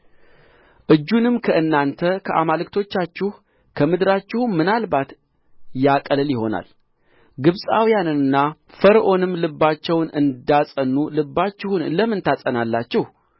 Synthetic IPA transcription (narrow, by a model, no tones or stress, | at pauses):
ʔɨd͡ʒːunɨmkʰəʔɨnːant̪ʰəkʰəʔa̰malɨkt̪ʰo̞t͡ʃːat͡ʃːɪh | kʰəmɨd̪ɾat͡ʃːɪhumːɨnalbat̪ | jakʼəlɨljɪho̞na̰l | ɡɨβsʼawjanɨnːafəɾʔo̞nɨmlɨbːat͡ʃːɛwnɨnd̪asʼənːulɨbːat͡ʃːɪhunləmɨnt̪ʰasʼənalːat͡ʃːɪh